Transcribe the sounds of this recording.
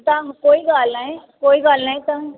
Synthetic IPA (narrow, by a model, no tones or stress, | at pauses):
t̪ãɦkoːiɡaːlnaɦẽkoːiɡaːlnaɦĩt̪ã